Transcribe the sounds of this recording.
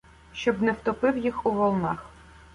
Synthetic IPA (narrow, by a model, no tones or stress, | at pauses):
ʃt͡ʃɔbnɛwt̪ɔpɪwjixuʋɔlˠnɑ̰x